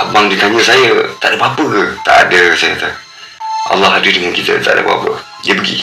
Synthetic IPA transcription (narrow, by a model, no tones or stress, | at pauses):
baŋdikaɲəsajət̪aʔdəpapəkət̪a̰ʔa̰dəsajət̪ə | ʔa̰lːɑɦadidəŋankit̪ə̰t̪aʔdə̰ba̰pə̰ | jəbəɡḭ